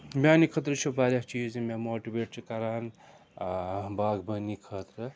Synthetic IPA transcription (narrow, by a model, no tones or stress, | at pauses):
bʲaːnikʰət̪ɾət͡ʃʰubaɾʲat͡ʃizmemoʈibeːʈ̚t͡ʃikaɾan | baːɡbənikʰət̪ɾə